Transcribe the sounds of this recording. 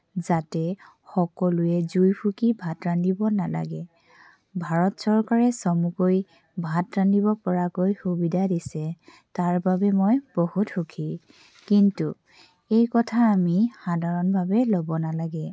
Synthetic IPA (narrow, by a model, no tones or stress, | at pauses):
zatɛ | xɔkɔlʊɛzujpʰukibʱatɹandibɔnala̰ɡɛ | bʱaɹɔtsɔɹkaɹɛsɔmukoj | bʱatɹandiβɔpɔɹakojxubidʱadisɛ | taɹbabɛmojbohutxukʰi | kintu | ejkɔtʰaːmixadʱaɹɔnbʱabɛlobɔnalaɡɛ